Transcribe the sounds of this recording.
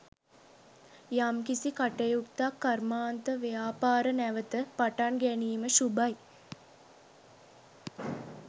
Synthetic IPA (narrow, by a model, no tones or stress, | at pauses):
jamkisikaʈejukt̪akːarmaːnt̪əʋejaːpaːɾənæʋət̪əpaʈaɳɡæniːməʃubaj